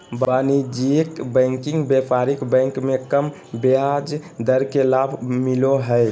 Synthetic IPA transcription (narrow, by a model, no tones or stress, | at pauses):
banid͡ʒiekbə̃ŋkiŋɡbepaɾikbə̃ŋkmekəm | bead͡ʒd̪əɾkelabʱmiloɦəj